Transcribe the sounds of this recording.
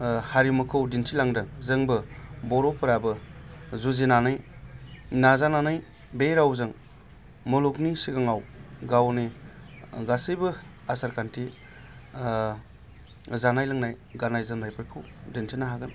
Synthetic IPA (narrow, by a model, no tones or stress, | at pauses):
haɾimɯkʰɯwdintʰilaŋdɯŋzɯŋbɯbɔɾɔpʰɯɾabɯzuzinanɯj | nazananaj | beɾawzɯŋ | mɔluknisiɡaŋawɡawni | ɡasɯjbɯ | asaɾkʰantʰi | zanajlɯŋnaj | ɡanajzɯnnajpʰɯɾkʰɯwdintʰinaɦaɡɯn